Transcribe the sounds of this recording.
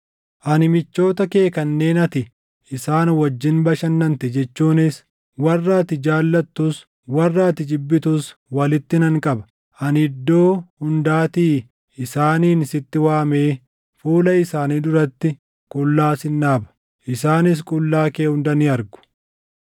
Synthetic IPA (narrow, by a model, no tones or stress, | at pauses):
ʔɐnɪmɪt͡ʃːo̞ːt̪ɐke̞ːkɐnːe̞ːnɐt̪ɪ | ɪsaːnwɐd͡ʒːɪnbɐʃɐnːɐnt̪ɛd͡ʒɛt͡ʃːuːnɪs | wɐrːaːt̪ɪd͡ʒaːlːɐt̪ːʊs | wɐrːaːt̪ɪd͡ʒɪbːɪt̪ʊswɐlɪt̪ːɪnɐŋkʼɐbɐ̥ | ʔɐnɪd̪ːo̞ːhʊnd̪aːt̪iː | ɪsaːniːnɪsɪt̪ːɪwaːme̞ː | fuːlɐɪsaːniːᶑ̪ʊɾɐt̪ːɪ | kʼʊlːaːsɪnːaːbɐ̥ | ʔɪsaːnɪs̬kʼʊlːaːkeːhʊnd̪ɐnɪɐɾɡʊ̥